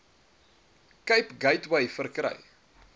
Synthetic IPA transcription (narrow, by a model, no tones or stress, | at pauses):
kəjpɡɐjtwɐjfərkɾə̰j